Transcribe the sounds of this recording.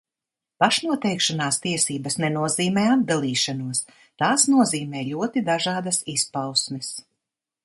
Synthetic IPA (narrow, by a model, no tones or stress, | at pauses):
paʃnuɔt̪ɛjkʃanaːst̪iɛsiːbɐsnɛnuɔziːmɛːad̪̚d̪alˠiːʃanuɔs | t̪aːsnuɔziːmɛːlʲuɔt̪id̪aʒɑːd̪asispawsmɛs